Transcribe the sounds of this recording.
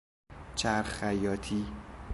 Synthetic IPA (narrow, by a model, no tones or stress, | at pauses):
t͡ʃʰæɾχæjɒːt̪ʰiː